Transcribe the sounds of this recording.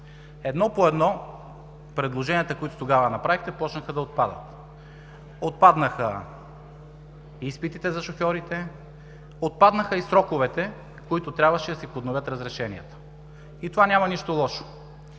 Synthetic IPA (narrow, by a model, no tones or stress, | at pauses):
ɛd̪nɔpoɛd̪nɔ | pɾɛd̪lˠoʒɛniət̪əkoit̪o̥t̪oɡavənɐpɾavixt̪ɛpɔt͡ʃnəxəd̪ɐot̪̚pad̪ə̰t̪ | ot̪̚pad̪nəxə | ispit̪it̪ɛzɐʃoxjɔɾit̪ɛ | ot̪̚pad̪nəxəisɾɔkʊvɛt̪ɛ | koit̪ʊt̪ɾʲabvɐʃɛd̪ɐsipod̪novʲɤt̪ɾɐzɾɛʃɛnḭət̪ə̥ | it̪ovanʲamɐniʃt̪olˠɔʃo̥